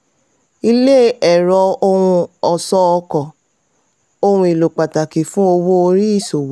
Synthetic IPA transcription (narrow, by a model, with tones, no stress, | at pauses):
i˧le˦ɛ˨ɾɔ˧o˧wũ˧ɔ˨sɔ˦ɔ˧kɔ˨ | o˧w̃ũ˧˦i˨lo˨k͡pa˨ta˨ki˨fũ˦o˧wo˦o˧ɾi˦i˦˨so˨w